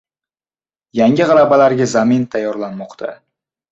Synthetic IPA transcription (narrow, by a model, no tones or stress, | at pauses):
jaŋʲɪʁɑlˠabalaɾɡʲazamint̪ʰajːɒɾlanmɒqt̪ʰa̰